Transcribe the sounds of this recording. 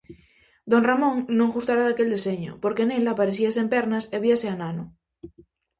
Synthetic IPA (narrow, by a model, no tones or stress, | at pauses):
d̪onramõŋnõŋɣust̪aɾaðakeld̪eseɲo̰poɾkenelapaɾeθiasempeɾnaseβiaseanano